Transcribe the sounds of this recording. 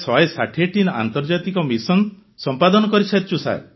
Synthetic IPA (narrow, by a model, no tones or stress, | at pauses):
sɔajsaʈʰeʈina̰nt̪ɔɾd͡ʒat̪ikɔmisɔn | sɔmpad̪ɔnɔkɔɾisʰat͡ʃusa̰e